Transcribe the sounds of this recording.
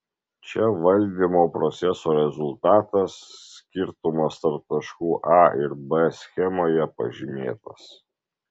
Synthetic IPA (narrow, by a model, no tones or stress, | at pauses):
t͡ʃʲɛʋɐlʲd̪ʲimoːpɾɔt̪sʲɛsoːɾʲɛzʊlˠt̪ɑːt̪ɐsːʲkʲɪɾt̪ʊmɐst̪ɐɾp̚t̪ɐʃkuːʔɑːɪɾbɛsʲxʲɛmoːjɛpɐ̰ʒʲɪmʲeːt̪ɐs